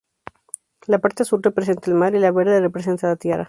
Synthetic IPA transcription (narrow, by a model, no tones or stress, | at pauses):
lapaɾt̪esuɾrepɾes̬ent̪almaɾilaβeɾðerepɾes̬e̞nt̪alat̪jera̰